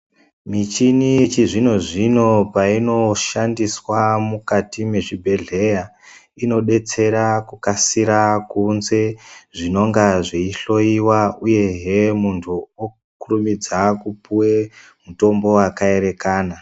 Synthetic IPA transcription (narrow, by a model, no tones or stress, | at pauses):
mit͡ʃinit͡ʃiʐino̞ʐino̞paino̞ʃandiswamukatime̞ʐibʱe̞ɮe̞ja | ino̞ɗe̞t͡se̞ɾakukasiɾakunze̞ʐino̞ŋɡaʐiiɬo̞iwauje̞ɦemuntʰuo | kurumid͡zakupuwe | muto̞mbo̞wakae̞ɾe̞kaːna